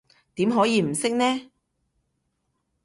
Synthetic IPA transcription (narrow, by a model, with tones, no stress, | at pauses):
t̪iː˨˥mɦɔː˨˥jiː˨˧m̩˨˩sɪ˥k̚nɛː˥